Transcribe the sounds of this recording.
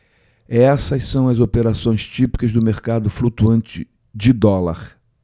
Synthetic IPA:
ɛsɐsɐ̃w̃ɐzopeɾasõj̃st͡ʃipi̥kɐzd̪ʊmeɾkad̪ʊflut̪uɐ̃nt͡ʃɪ̰ | d͡ʒɪd̪ɔla̰ɾ

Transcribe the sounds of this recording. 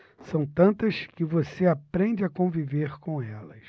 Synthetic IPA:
sɐ̃w̃t̪ɐ̃nt̪ɐskɪvoseapɾẽɲd͡ʒɪakõviveɾkõɛlɐs

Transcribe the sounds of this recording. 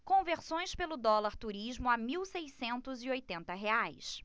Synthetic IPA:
kõveɾsõj̃spelʊd̪ɔlaɾt̪uɾiʒmʊamiwsejsẽnt̪ʊzɪojt̪ẽnt̪ɐɦeajs

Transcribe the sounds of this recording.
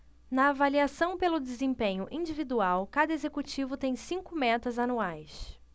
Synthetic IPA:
nɐːvaliasɐ̃w̃pelʊd͡ʒezẽmpẽɲʊʔĩd͡ʒivid̪uawkad̪ɐezekut͡ʃivʊt̪ẽj̃sĩŋkʊmɛt̪ɐzanuajs

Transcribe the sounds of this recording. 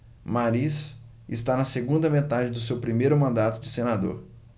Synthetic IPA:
maɾis | ɪst̪anɐseɡũnd̪ɐmet̪ad͡ʒɪd̪ʊsewpɾimejɾʊmɐ̃nd̪at̪ʊd͡ʒɪsenad̪o̰ɾ

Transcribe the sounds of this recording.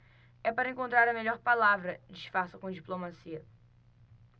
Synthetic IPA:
ɛpaɾɐẽkõnt̪ɾaɾɐmeʎɔɾpalavɾɐd͡ʒiʃfaɾsɐkõd͡ʒiplomasiɐ

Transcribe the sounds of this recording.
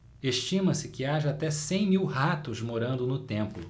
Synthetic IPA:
eʃt͡ʃĩmɐsɪkɪaʒɐat̪ɛsẽj̃miwɦat̪ʊzmoɾɐ̃nd̪ʊnʊt̪ẽmpʊ

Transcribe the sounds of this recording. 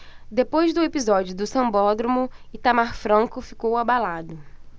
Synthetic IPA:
d̪epojzd̪ʊepizɔd͡ʒʊd̪ʊsɐ̃bɔd̪ɾomʊɪt̪amaɾfɾɐ̃ŋkʊfikowabalad̪ʊ

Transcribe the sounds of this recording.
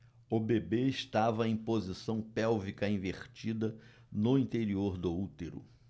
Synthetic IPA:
ʊbebeɪst̪avɐẽj̃pozisɐ̃w̃pɛwvikɐĩveχt͡ʃid̪ɐ | nʊĩnt̪eɾioɾd̪ʊut̪eɾʊ̰

